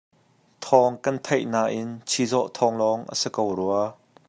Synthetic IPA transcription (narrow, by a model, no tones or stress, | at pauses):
t̪ʰɔŋkɐnt̪ʰɐjʔnaːʔɪnt͡sʰizɔʔt̪ʰɔŋlɔŋʔə̰səkowruɐ